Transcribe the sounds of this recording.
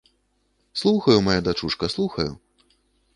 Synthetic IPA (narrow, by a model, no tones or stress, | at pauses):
slˠuxɐjumajad̪at͡ʂuʂkɐslˠuxɐjṵ